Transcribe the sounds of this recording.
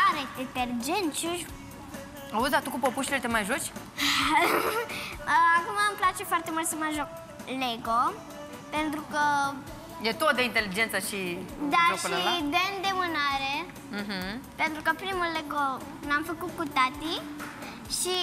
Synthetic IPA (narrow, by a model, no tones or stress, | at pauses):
aɾet̪et̪elid͡ʒent͡ʃuʒ | awuzat̪ukupopuʃlet̪emajʒot͡ʃ | akumaːmplat͡ʃefwart̪emult̪səmaʒok̚ | leɡo | pent̪ɾukə | d̪et̪ot̪̚d̪eint̪elid͡ʒent̪saʃid̪aoʃkulaid̪end̪emɨnaɾe | m̩ɦ̩pent̪ɾukəpɾimulːeɡo | namfəkukut̪at̪i | ʃi